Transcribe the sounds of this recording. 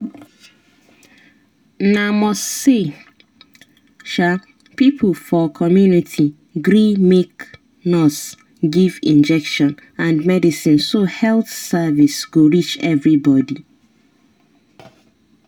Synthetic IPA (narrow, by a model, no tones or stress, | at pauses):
namɔsse | ʃal | pipʰlfɔkʰɔmjunitʰi | ɡɹimek | nɔts | ɡivĩnd͡ʒɛkʃɔ̃nãndmɛdisĩnsohɛlθsavisɡ̥oɹit͡ʃɛvɹibɔdi